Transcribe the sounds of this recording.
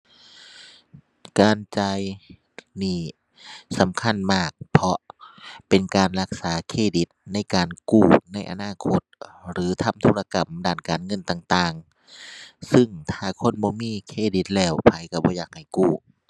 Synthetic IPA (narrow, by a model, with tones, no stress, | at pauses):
kaː˨nt͡ɕa˧j | niː˧˥˩ | sa˨˦mkʰa˧˥˨nmaː˧˩k̚pʰɔ˧pe˨nkaː˨nɾa˧k̚saː˨˦kʰeː˧˩di˨˦t̪̚na˧˥˩jkaː˨˩nkuː˧˩na˧˥˩jʔa̰˨naː˧˥˩kʰo˧˥t̪̚ɾɯː˨˦t̪ʰa˧˩˨mt̪ʰuː˧la˧ka˨mdaː˧˩˨nkaː˨nŋɤ˧˥˨nt̪aː˧˩ŋt̪aː˧ŋ | sɯ˧˩ŋt̪ʰaː˧˩kʰo˧˥˨nbɔː˧˦miː˧˥˨kʰeː˧˥˩di˧˦t̪̚lɛː˧˩wpʰa˨˧˦jka˧˩bɔː˧˦jaː˧˩k̚ha˨˩jkuː˧˩